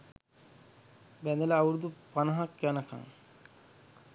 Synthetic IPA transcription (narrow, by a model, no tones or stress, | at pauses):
bænd̪ələːwuɾud̪upanəɦakjanəka̰ŋ